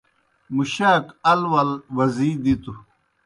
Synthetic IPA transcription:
muɕaːkɐlwɐlwɐziːd̪it̪u

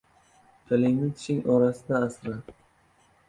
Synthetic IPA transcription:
kʲʰaliŋnɪt̪t͡ʃɪŋɒɾasɪd̪aːsɾa

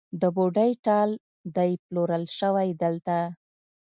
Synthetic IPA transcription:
d̪əboɖajʈɑl | d̪ajploɾəlʃəwajd̪əlt̪a

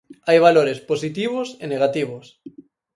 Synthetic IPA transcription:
ajβ̞aloɾesposit̪iβ̞oseneɣ̞at̪iβ̞os

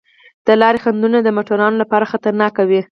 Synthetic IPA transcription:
d̪̥əlɑɾexand̪unad̪əmoʈoɾɑnolapɑɾaxat̪aɾnɑkawi

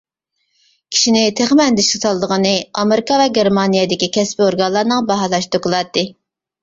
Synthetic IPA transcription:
kʲʰi̥ʃinɪt̪ʰeχmɛnd̪ɪʃkɪt̪ʰɑlˠd̪əʁənɨɑmeɾɪkɑvɛɡʲeɾmɑnijed̪ɪkʲikʲɛspioɾɡɑllˠɑɾnɨŋbɑɦɑlˠɑʃt̪ʰokɨlˠɑt̪ːɨ

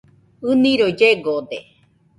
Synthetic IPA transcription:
ɨnĩɾod͡ʒeɡod̪ḛ

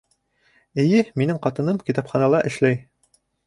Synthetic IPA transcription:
ɘ̆jɘminɘŋqɑt̪ɤ̆nɤmkʲit̪ɑpχɑnɑlˠɑʔɘ̆ʃlæj

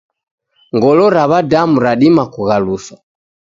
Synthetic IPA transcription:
ŋɡɔlɔɾaβadamuɾaɗimakuɣalusa

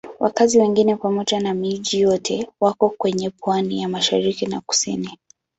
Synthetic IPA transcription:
wʔa̰kaziwɛŋɡinɛpamɔʄanamiʄijɔtʰɛwakɔkwɛɲɛpwanijamaʃaɾikinaku̥sḭni

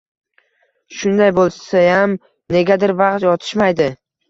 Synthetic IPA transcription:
ʃʊnd̪ajbolˠsajam | ne̞ɡʲad̪ɪɾvɑqt̪jɒt̪ʰɪ̥ʃmajd̪ɪ

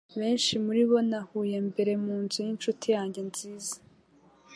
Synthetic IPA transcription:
βe̞ːnʃimuɾiβo̞nahuːje̞mbe̞ɾe̞muːnzujinʃutijaːɲɟe̞nz̥iːzḁ

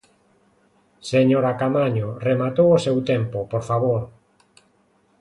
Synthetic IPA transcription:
seɲoɾakamaɲoremat̪owosewt̪ɛmpopoɾfaβoɾ

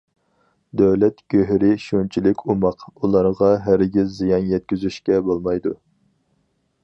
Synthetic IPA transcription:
d̪ɛwlɛt̪ɡ̥ʲøɦɾɪʃunt͡ʃʰilɪkʲʰumɑqulˠɑɾʁɑɦæɾɡʲizːijɑnjɛt̪̚kʲyzyʃkʲɛbolˠmɑjd̪u

